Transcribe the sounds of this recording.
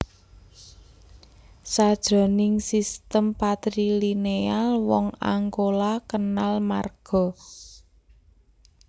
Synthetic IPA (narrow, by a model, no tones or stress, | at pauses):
sad̥ʒ̥ɔ̤nɪŋsist̪əmpat̪ɾilinealwɔŋa̰ŋɡolakənalma̰rɡ̥ɔ̤